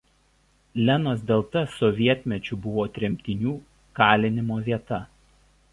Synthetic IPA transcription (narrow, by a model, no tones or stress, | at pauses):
lʲɛnoːsd̪ʲɛlˠt̪ɐsɔʋʲiɛt̪ʲmʲɛt͡ʃʲʊbʊʋoːt̪ʲɾʲɛmʲt̪ʲɪnʲuː | kɑːlʲɪnʲɪmoːʋʲiɛt̪ɐ